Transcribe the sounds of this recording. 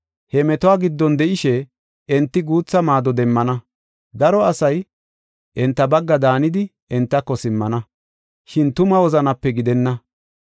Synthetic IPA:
hɛmɛt̪ɔaːɡɪd̪ːɔnd̪ɛʔɪʃɛ | ɛnt̪ːɪɡuːt͡sːɐmaːd̪ɔd̪ɛmːɐnɐ | d̪ɐɾɔɐsɐj | ʔɛnt̪ːɐbɐɡːɐd̪aːnɪd̪ɪ | ɛnt̪ːɐkːɔsɪmːɐnɐ | ʃɪnt̪ʊmɐwɔzɐnɐpːɛɡɪd̪ɛnːɐ

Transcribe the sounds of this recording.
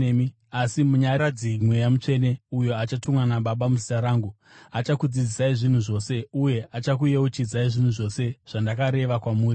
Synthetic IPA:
i | asimuɲaad͡zimwejamut͡ʂe̞ne̞ujo̞at͡ʃatumwanaɓaɓamuzitaɾaːŋɡu | at͡ʃakud͡zid͡zisaiʐin̤uʐo̞ːse̞uje̞at͡ʃakuje̞ut͡ʃid͡zaiʐin̤uʐo̞se̞ʐ̥andakaɾe̞ʋakwamuːri

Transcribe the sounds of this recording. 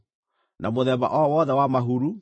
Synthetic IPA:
namoðɛβa̰ʔɔwɔðɛwamaɦuɾu

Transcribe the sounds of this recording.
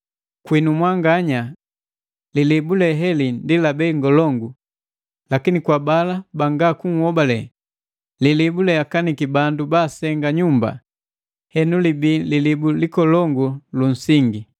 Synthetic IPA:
kwinumwaŋɡaɲa | lilibulɛɦɛlindilabɛiŋɡɔlɔŋɡu | lakinikwabalabaŋɡakuŋ̩hɔbalɛ | lilibulɛakanikibandubaːsɛŋɡaɲumba̰ | hɛnulibiːlilibulikɔlɔŋɡulun̩siŋɡi

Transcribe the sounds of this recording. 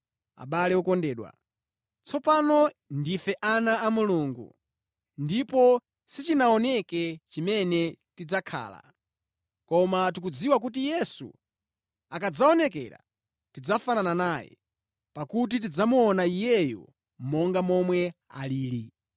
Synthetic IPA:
a̰ɓalɛɔkɔndɛːɗwa̰ | t͡sɔpanɔ | ndifɛʔanaːmuluːŋɡṵ | ndipɔ | sit͡ʃinaɔnɛkɛt͡ʃimɛnɛtid͡zakʰa̰ːla̰ | kɔmatik̬ud͡ziwak̬ut̬ijɛsṵ | akad͡zaɔnɛkɛ̰ːɾa̰ | tid͡zafanananaːjɛ̰ | pakut̬it̬id͡zamuɔnaijɛjɔ̰ | mɔŋɡamɔmwɛa̰liːli

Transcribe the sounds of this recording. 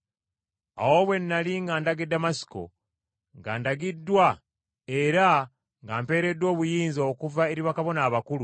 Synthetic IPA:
a̰wo̞βwe̞nːaliŋɡaːndaɡe̞damasi̥ko̞̰ | ŋɡa̰ːndaɡidːwa | e̞ɾa | ŋɡaːmpe̞ːɾe̞dːwo̞ːβujiːnzokuvae̞ɾiβakaβo̞naːβakulu

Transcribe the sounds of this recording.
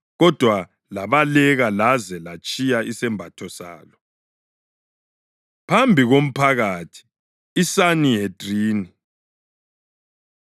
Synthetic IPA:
ɣɔd̥ʱwa | laβalɛɣalazɛlat͡ʃʼijaʔisɛmbʱatʰɔsa̰ːlɔ | pʰambʱiɣom̩pʰaɣatʰi̥ | isanijedʼriːni

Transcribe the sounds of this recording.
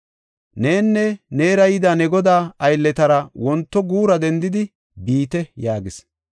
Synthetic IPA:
ne̞ːnːɛne̞ːɾɐjɪd̪aːnɛɡɔd̪aːɐjlːɛt̪ɐɾɐwɔnt̪ːɔɡuːɾɐd̪ɛnd̪ɪd̪ɪ | biːt̪ɛjaːɡɪs

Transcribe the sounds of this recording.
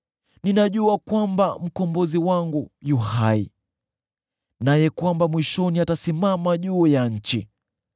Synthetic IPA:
ninaʄuakwambam̩kɔmbɔziwaŋɡujuhaḭ | najɛkwambamwiʃɔniatasimamaʄuːjaɲ̩t͡ʃi

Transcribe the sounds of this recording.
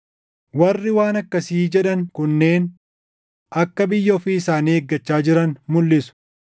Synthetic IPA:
wɐrːɪwaːnɐkːɐsiːd͡ʒɛᶑɐŋkʊnːe̞ːn | ɐkːɐbɪjːɐːfɪːɪsaːnieːɡːɐt͡ʃːaːd͡ʒɪɾɐnmʊlːɪsʊ̥

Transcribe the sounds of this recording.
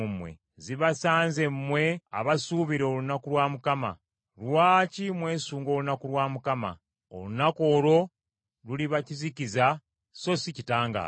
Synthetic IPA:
umwe̞̰ | ziβasaːnze̞mːwe̞a̰βasuβiɾoolunakulwaːmukama̰ | lwaːcimwe̞ːsuːŋɡo̞ːlunakulwaːmukama̰ | o̰lunako̞ːlo̞ | luliβacizikiza | so̞sicitaːŋɡa̰ː

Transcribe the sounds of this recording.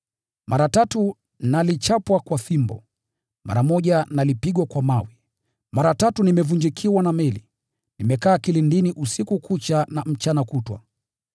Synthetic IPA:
mʔaɾatatu | nalit͡ʃapwakwaθimbɔ̰ | ma̰ɾamɔʄanalipiɠwakwamawi | maɾatatunimɛvund͡ʒikʰiwanamɛli | nimɛkaːkilindiniʔusikukut͡ʃanam̩t͡ʃanakutwa̰

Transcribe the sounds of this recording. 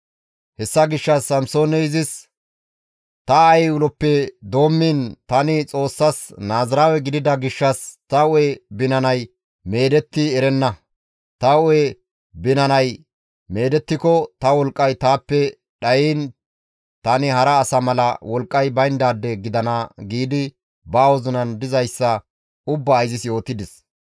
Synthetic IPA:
hɛsːɐɡɪʃːɐsːɐmso̞ːnɛɪzɪs | t̪ɐːjʊlɔpːɛd̪o̞ːmːiːnt̪ɐnɪt͡sʼo̞ːsːɐsnaːzɐɾaːwɛɡɪd̪ɪd̪ɐɡɪʃːɐst̪ɐʊɛbɪnɐnɐj | me̞ːd̪ɛt̪ːɪɛɾɛnːɐ | t̪ɐʊɛ | bɪnɐnɐj | me̞ːd̪ɛt̪ːɪkɔt̪ɐwɔlkʼːɐjt̪aːpːɛ | ɗɐjiːn | t̪ɐnɪhɐɾɐːsɐmɐlɐ̰wɔlkʼːɐjbɐjnd̪aːd̪ːɛɡɪd̪ɐnɐɡiːd̪ɪ | baːwɔzʊnɐnd̪ɪzɐjsːɐ | ʊbːɐːjzɪsjo̞ːt̪ːɪd̪ɪs

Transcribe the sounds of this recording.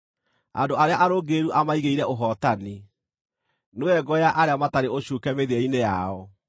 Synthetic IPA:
a̰ndoʔaɾeaʔaɾoɡeɾuʔamaiɣeiɾɛʔoɦɔtani | noɛɡɔjaʔaɾeamataɾeoɕukɛmeðɛinejaɔ

